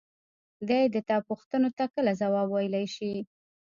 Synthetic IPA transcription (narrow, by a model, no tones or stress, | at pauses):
d̪ajd̪ət̪ɑpuxt̪ənot̪akəlazawɑbwajəlajʃi